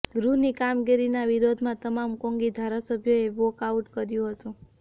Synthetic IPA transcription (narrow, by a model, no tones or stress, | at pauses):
ɡɾuɦnikamɡiɾinaʋiɾod̪ʱmãt̪əmamkõŋɡid̪ʱaɾasəbʱjoeʋokauʈkəɾjũɦət̪ũ